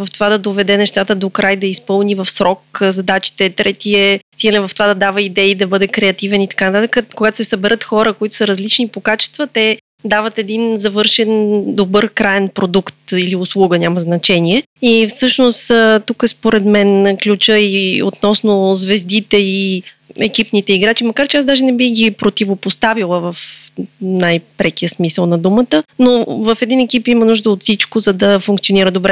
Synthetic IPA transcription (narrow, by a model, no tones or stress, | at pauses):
vɐft̪ovad̪ɐd̪ovɛd̪ɛnɛʃt̪at̪əd̪okɾajd̪ɐispɤlˠnivɐfsɾɔkzɐd̪at͡ʃi̥t̪ɛt̪ɾɛt̪iɛsiɡlɛvɐft̪ovad̪ɐd̪avəid̪ɛid̪ɐbɤd̪ɛkɾɛɐt̪ivɛnit̪ɐ̥kanɐt̪at̪əkəkoɡat̪o̥sɛsɐbɛɾʔɤt̪xɔɾəkoit̪ʊ̥səɾɐzlit͡ʃnipokat͡ʃɛ̥st̪vət̪ɛ | d̪avət̪ɛd̪inzɐvɤɾʃɛnd̪obɤɾkɾaɛnpɾod̪ukt̪iliʊslˠuɡənʲaməznɐt͡ʃɛniɛ | ifsɤʃnost̪t̪ukəspoɾɛd̪mɛnklʲut͡ʃəio̰t̪nɔsnozvɛzd̪it̪ɛi | ɛk̟ipnit̪ɛiɡɾat͡ʃimɐkaɾt͡ʃɛasd̪aʒɛnɛbixɡipɾot̪ʲivopost̪avilˠəvəf | najpɾɛk̟ijəsmisəlˠnɐd̪umət̪ənovəfɛd̪inɛkipimənuʒd̪əot̪sit͡ʃkozɐd̪ɐfũŋkt̪sioniɾəd̪obɾɛ